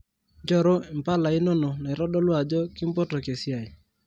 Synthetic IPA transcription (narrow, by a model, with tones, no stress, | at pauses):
d͡ʒɔ˦˨ɾo˦i˨m̩˨pa˦la˨ɪ˦no˦no˨na˨i˨ɾɔ˦ɗɔ˦lwa˨d͡ʒɔ˦kɪ˦m̩˦pɔ˦tɔ˨ke˨sja˨ɪ˨